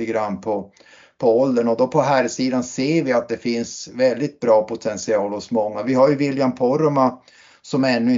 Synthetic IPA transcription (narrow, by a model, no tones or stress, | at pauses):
əɡɾanːpʰɔ | pʰɔɔld̪ənɔd̪ɔpʰɔɦæɾsiːd̪anseːɾvɪat̪̚d̪ɛfɪnsvɛld̪ɪt̪̚bɾɑːpʰʊt̪ʰɛnsɪɑːlɔsmɔŋːavɪɦaɾjɵvɪljampʰɔɾma | sɔmɛnːɵɪ